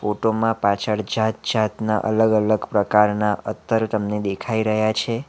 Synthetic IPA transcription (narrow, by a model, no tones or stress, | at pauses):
foʈomãpat͡ʃʰəɭd͡ʒat̪̚d͡ʒat̪naʔə̰ləɡələɡpɾəkaɾnaʔət̪ʰːəɾt̪əmned̪ekʰaiɾəɦjat͡ʃʰe